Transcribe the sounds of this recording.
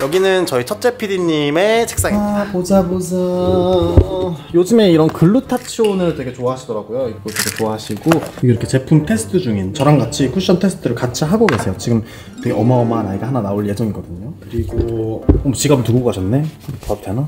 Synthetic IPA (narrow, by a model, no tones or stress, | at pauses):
jʌɡinɯnt͡ɕʌit͡ɕʰʌt̚t͡ɕ͈e̞pʰidiɲːime̞t͡ɕʰe̥k̚s͈aŋpod͡ʑabod͡ʑa | jod͡ʑɯme̞iɾʌnkɯɭːutʰat͡ɕʰionɯɭtwe̞ɡe̞t͡ɕoaɦaɕʰidʌɾaɡojoiɡotweɡʰe̞t͡ɕoaɦaɕʰiɡoiɾʌkʰe̞t͡ɕe̞pʰumtʰe̞sʰɯ̥tʰɯd͡ʑuŋint͡ɕʌɾaŋɡat͡ɕʰikʰuɕ͈ʌntʰe̞sʰɯ̥tʰɯɾɯɭkat͡ɕʰiɦaɡoɡe̞sʰe̞jot͡ɕiɡɯm | tʰeɡeʌmaʌmaɦnaiɡeɦananaoɭje̞d͡ʑʌŋiɡʌdɯɲokɯɾiɡoʌt͡ɕiɡabɯɭtuɡoɡokaɕʰʌnːe̞pʌtʰena